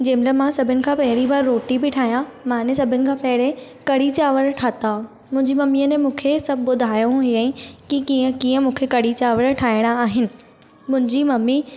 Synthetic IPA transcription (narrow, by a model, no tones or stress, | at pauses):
d͡ʑeːmləmãsɐbʱɪnɪ̆kʰãpɐɦɪɾibaːɾːoːʈibɪʈʰaːɦijãmãnẽsɐbʱɪnɪ̆kʰãːpɐɦɪɾe | kɐɽit͡ɕaːʋəɾʈʰaːt̪a | mʊ̃ɦɪ̃ɲd͡ʑimɐmiənemũːkʰesɐbʱbʊd̪ʱaːjũəĩkikiə̃kiːə̃mũːkʰekɐɽit͡ɕaːʋəɾʈʰaːɪɽ̃aaːɦɪnɪ̆ | mʊ̃ɦɪ̃ɲd͡ʑimɐmi